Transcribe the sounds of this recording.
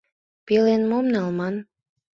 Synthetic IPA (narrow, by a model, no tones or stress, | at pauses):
pelenmomnɑlmɑn